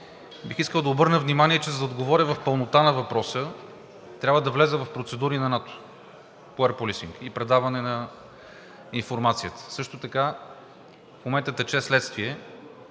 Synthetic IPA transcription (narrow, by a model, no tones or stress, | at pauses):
bixiskəlˠd̪ɐobɤɾnəvnimaniɛt͡ʃɛzɐd̪ɐod̪ɡovɔɾʲəvɐfpəlˠnot̪anɐvɐpɾɔsə | t̪ɾʲabvəd̪ɐvlɛzəvɐfpɾot̪sɛd̪uɾinɐnat̪o̥ | poɛɾpolisiŋkipɾɛd̪avɐnɛnɐ | infoɾmat̪sijət̪ə̥sɤʃt̪ot̪ɐka | fmomɛnt̪ət̪ɛt͡ʃɛslɛt̪st̪viɛ